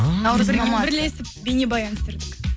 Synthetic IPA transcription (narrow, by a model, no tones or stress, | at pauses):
nɑwzɾɑmɑbɪɾle̞sɪp̚benʲebɑjɑnst̪eɾd̪ɪk